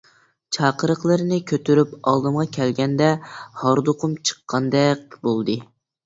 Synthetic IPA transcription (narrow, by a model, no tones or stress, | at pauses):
t͡ʃʰɑːqəɾəqlˠɨɾɨnɨkʲʰøt̪yɾypɑlˠd̪ɨmʁɑkʲʰɛlɡʲɛnd̪ɛhɑɾd̪oqʰʊmt͡ʃʰə̥qʰːɑnd̪ɛk̚ʲbolˠd̪ɨ